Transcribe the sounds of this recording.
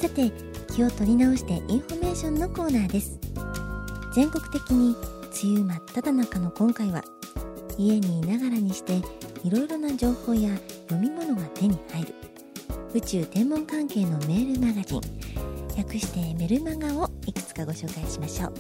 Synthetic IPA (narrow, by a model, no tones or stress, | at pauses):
sat̪e̞ | kʲio̞t̪o̞ɾʲinao̞ɕi̥t̪e̞ʔĩɰ̃ɸo̞me̞ːɕõ̞nːo̞ko̞ːnaːd̪e̞sɨ̥ | z̥ẽ̞ŋko̞kɯ̟t̪e̞kʲiɲ̟it͡sɨjɯːmat̪ːat̪anakano̞kõ̞ŋkaiβa̰ | ie̞ɲ̟inaɡaɾaɲ̟iɕi̥t̪e̞iɾo̞iɾo̞nad͡ʑo̞ːho̞ːjajo̞mʲimo̞no̞ɡat̪e̞ɲ̟ihaiɾɯ̟̰ | ɯ̟t͡ɕɨːd̪ẽ̞mːõ̞ŋkãŋke̞ːno̞me̞ːɾɯ̟maɡaʑḭ̃ŋjakɯ̟ɕi̥t̪e̞me̞ɾɯ̟maŋɡao̞ikɯ̥t͡sɨ̥kaɡo̞ɕo̞ːkaiɕimaɕo̞ː